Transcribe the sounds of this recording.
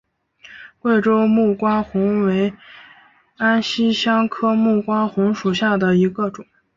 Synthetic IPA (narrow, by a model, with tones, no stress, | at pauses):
kwe˥˩ɪʈ͡ʂo˥ʊmu˥˩kwa˥ŋxʊ˧˥ŋwe˧˥ɪ | a˥nɕi˥ɕjɑ˥ŋkʰɤ˥mu˥˩kwa˥xʊ˧˥ŋʂu˨˩ɕja˥˩d̪ə˩i˧˥ɡə˧ʈ͡ʂʊ˨˩˦